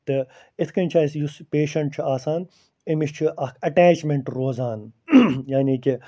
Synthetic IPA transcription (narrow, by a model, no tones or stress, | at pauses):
t̪ɨ | ɪt̪ʰkɐnʲt͡ʃʰaːsjuspeːʃɐɳʈ̚t͡ʃʰuaːsaːn | imiʃt͡ʃʰuʔɐkʰɐʈaːt͡ʃmẽɳʈɾoːzaːnjaːniːki